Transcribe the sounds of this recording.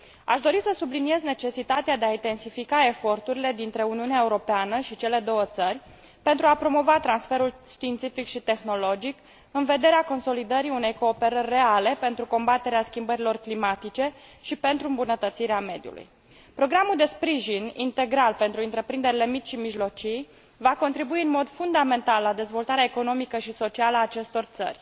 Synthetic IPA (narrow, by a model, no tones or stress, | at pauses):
a̰ʃd̪o̞ɾisəsublinie̞zne̞t͡ʃe̞sit̪at̪ead̪e̞aint̪e̞nsifikae̞fo̞rt̪uɾile̞d̪int̪ɾe̞uniuneae̞uɾo̞peanəʃit͡ʃe̞le̞d̪o̞wət̪sərʲ | pe̞nt̪ɾuapɾo̞mo̞vat̪ɾansfe̞ɾulʃt̪iːnt̪sifikʃit̪e̞xno̞lo̞d͡ʒik | ɨnve̞d̪e̞ɾeako̞nso̞lid̪əɾiune̞jko̞ːpe̞ɾərʲːe̞ale̞pe̞nt̪ɾuko̞mbat̪e̞ɾeaskʲimbəɾilo̞rklimat̪it͡ʃe̞ | ʃipe̞nt̪ɾuɨmbunət̪ət̪siɾeame̞d̪jṵlṵj | pɾo̞ɡɾamuld̪e̞spɾiʒinint̪e̞ɡɾalpe̞nt̪ɾuɨnt̪ɾe̞pɾind̪e̞ɾile̞mit͡ʃʃimiʒlo̞t͡ʃij | vakont̪ɾibuiɨnmo̞d̪fund̪ame̞nt̪alːad̪e̞zvo̞lt̪aɾeaeko̞no̞mikəʃiso̞t͡ʃialəaːt͡ʃe̞st̪o̞rt̪sə̰rʲ